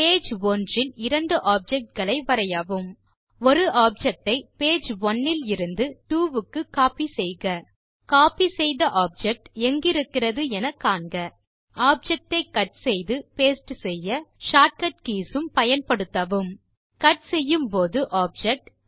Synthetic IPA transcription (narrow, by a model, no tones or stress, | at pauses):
peːd͡ʒʋɔndrɪnɪɾɐɳɖɯʔaːp̚d͡ʒɛk̚ʈ̚ɡɐɭɐɪʋɐɾɐjaʋɯm | ɔɾɯʔaːp̚d͡ʒɛk̚ʈɐɪpeːd͡ʒʋɔnːɪlɪɾɯnd̪ɯʈuːʋɯkːɯkaːpisɛjɣɐ | kaːpisɛjðɐʔaːb̚d͡ʒɛk̚ʈɛŋɡɪɾɯkːɪrɐðɯɛnɐkːaːɳɡɐ | aːp̚d͡ʒɛk̚ʈɐɪkːɐʈ̚sɛjðɯpeːsʈɯsɛjːɐʂaːʈ̚kɐʈ̚kiːsɯmpɐjɐnpɐɽɯt̪ːɐʋɯm | kɐʈsɛjːɯmpoːðɯʔaːp̚d͡ʒɛk̚ʈ